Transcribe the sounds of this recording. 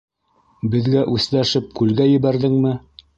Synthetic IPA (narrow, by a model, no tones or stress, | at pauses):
bɘ̆ðɡæʔʉθlæʃɘp̚kʉlɡæjɘ̆βæɾðɘŋmɘ